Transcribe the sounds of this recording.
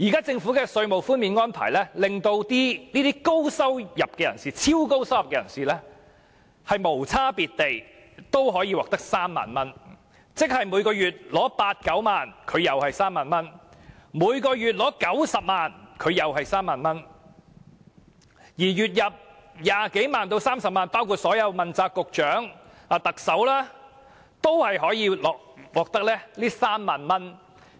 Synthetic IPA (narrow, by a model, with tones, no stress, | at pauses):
jiː˨˩kaː˥t͡sɪ˧ŋfu˨˥kɛː˧sɵ˧ɥmo˨wfuː˥nmiː˨˧nŋɔː˥npʰa̰ː˨˩jlɛː˥lɪ˨ŋt̪o˧wt̪iː˥niː˥t̪iː˥ko˥wsɐ˥wjɐ˨p̚kɛ˧jɐ̰˨˩nsiː˨t͡sʰiː˥wko˥wsɐ˥wjɐ˨p̚kɛː˧jɐ̰˨˩nsiː˨˩lɛː˥ | hɐ˨jmo˨˩wt͡sʰaː˥piː˨t̚t̪e˨j | t̪o˥wɦɔː˨˥jiː˧wɔː˨k̚t̪ɐ˥k̚saː˥mːa̰ː˨˩nmɐ˥n | t͡sɪ˥k̚hɐ˨jmuː˨˧jkɔː˧jyː˨t̚lɔː˨˥paː˧t̚kɐ˨˥wmaː˨nkʰɵ˨˧ɥjɐ˨whɐ˨jsaː˥mːaː˨nmɐ˥nmuː˨˧jkɔː˧jyː˨t̚lɔː˨˥kɐ˨˥wsɐ˨p̚maː˨nkʰɵ˨˧ɥjɐ˨wɦɐ˨jsaː˥mːaː˨nmɐ˥n | jiː˨˩ɥyː˨t̚jɐ˨p̚jaː˨ke˨˥jmaː˨nt̪o˧wsaː˥msɐ˨p̚maː˨npaː˥wkʰuː˨˧t̚sɔː˨˥jɐ˨˧wmɐ˨nt͡saː˧kːʊ˨k̚t͡ʃœː˨˥ŋ | aː˨˧t̪ɐ˨k̚sɐ˨˥wlaː˥ | t̪o˥whɐ˨jɦɔː˨˥jiː˨˧lɔː˨k̚wɔː˨˩k̚t̪ɐ˥k̚lɛː˥liː˥saː˥mːaː˨nmɐ˥n